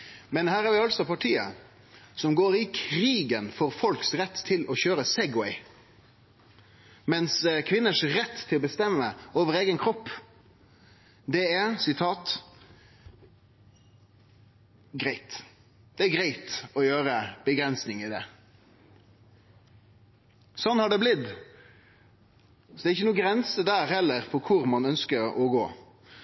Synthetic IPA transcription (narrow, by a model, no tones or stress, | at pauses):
mɛnhæːʁæɾʋɪɑlsɔpʰɑʈʰiːə̰ | sɔmɡoːɾɪkʰɾiːɡənfoːɾfɔlksɾɛt̪ːt̪ʰːɪlɔçøːɾəsɛɡwɛɪ | mɛnskʰʋɪnːəʂɾɛt̪ːʰɪlɔbəst̪ɛmːəoːʋəɾeːɡənkʰɾɔpː | d̪ɛɛɾsɪt̪ʰɑːt̪ | ɡɾæɪt̪ | d̪̥ɛæɾɡɾæɪt̪ɔjøːɾəb̥əɡɾɛnsnɪŋɪd̪ɛ̰ | sɔnːhɑɖɛblɪd̪ | sɔd̪ɛːɾɪçːənuːəɡɾɛnsəd̪æːɾhɛlːəɾpʰɔkʰʊɾmɑnœnskəɾɔɡo̰ː